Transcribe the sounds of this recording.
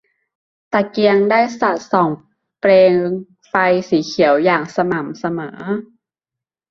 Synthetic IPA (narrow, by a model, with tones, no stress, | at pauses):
t̪a˨˩ki˧əŋdaː˥˩jsa˨˩t̪̚sɔː˨˩˦ŋ | pleː˧ŋ | fa˧jsiː˩˦kʰi˨˩˦əwjaː˨˩ŋsa˧ma˩˦msa˧mɤː˩˦